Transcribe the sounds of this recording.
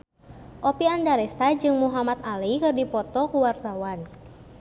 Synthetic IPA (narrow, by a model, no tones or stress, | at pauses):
ʔɔpiandaɾɛst̪ad͡ʒɨŋmuɦamat̪alikɨrdipɔt̪ɔkuwart̪awan